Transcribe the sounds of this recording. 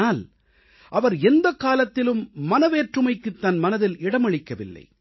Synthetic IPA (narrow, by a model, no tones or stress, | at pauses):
aːl | ʔɐʋɐɾɛnd̪ɐkaːlɐt̪ːɪlɯmːɐnɐʋeːʈrɯmɐɪkːɯt̪ːɐnmɐnɐðɪlɪɽɐmɐɻɪkːɐʋɪ̰lːɐ̰ɪ